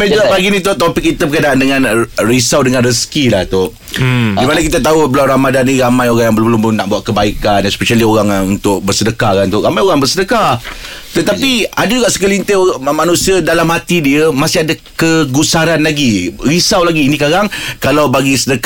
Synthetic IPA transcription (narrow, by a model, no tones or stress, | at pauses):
mad͡ʒuɡaʔpaɡinĩt̪ot̪ɔpɪk̚ːit̪əbəkanaʔdəŋãnrisawdəŋãnrəsə̥kilaht̪ʊ | dimanakit̪at̪̬aɦubəlawɾamadanːĩɾamãjoɾaŋjaŋbəlbəlʊmbəlʊmnaʔbuaʔ̪̚kəbaikanaspeʃalioɾaŋunt̪ʊk̚bərsədəkakant̪ʊʔɾamajoɣaŋbərsədəkat̪ət̪apiadad͡ʒuɡaʔsə̥kəlint̪emanũsiədalamɦat̪idiəmasɪɦadakəɡusaɾanlaɡiɾisawlaɡiːnikaɾaŋkalawbaɡisədək